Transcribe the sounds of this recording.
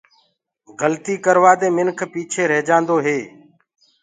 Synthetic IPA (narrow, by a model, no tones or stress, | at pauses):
ɡəlt̪iːkəɾʋaːd̪eːmɪnkʰpiːt͡ʃʰeːɾeːd͡ʒãːnd̪oːɦeː